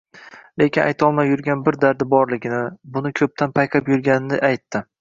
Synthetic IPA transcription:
le̞kʲɪnʔa̰jt̪ʰɒlˠmajʊɾɡʲanbɪɾd̪aɾd̪ɪbɒɾlɪɡʲɪnɪbʊnɪkʲʰɵp̚t̪ʰanpʰajqʰapjʊɾɡʲanɪnɪʔajt̪ːɪ

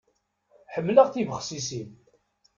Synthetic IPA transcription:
ħəmːləʁθivəχsisim

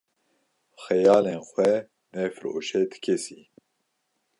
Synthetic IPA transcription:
xɛjɑːlenxʷwɛ | nɛfɨɾo̰ːʃɛd̪ɨ̥kʰesi

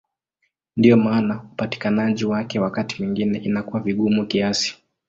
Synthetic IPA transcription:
ndiɔmaːnaupati̥kanaʄiwakɛwakati̥mwiŋɡinɛʔinakuwaviɠumukiasi̥

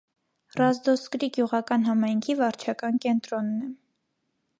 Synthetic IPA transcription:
rɑzd̪ɔskɾiɡjuʁɑkɑnɦɑmɑjŋkʰivɑɾt͡ʃʰɑkɑnkɛnt̪ɾɔnːɛ

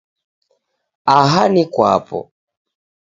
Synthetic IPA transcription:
aɦanikwapɔ̰

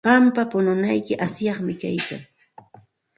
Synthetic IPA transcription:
ɢɑmpapʊnʊnajkɪʔasjɑχmɪkajka̰ŋ

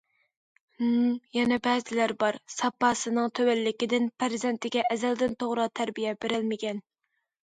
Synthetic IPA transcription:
jɛnɛbɛːzɪlæɾbɑɾsɑpːɑːsɨnɨŋt̪ʰøwælːɪkʲɪd̪ɪnpʰæɾzɛnt̪ʰɪɡʲɛʔɛzæld̪ɪnt̪ʰoʁɾɑt̪ʰæɾbijɛb̥eɾɪlmɪkʲɛn

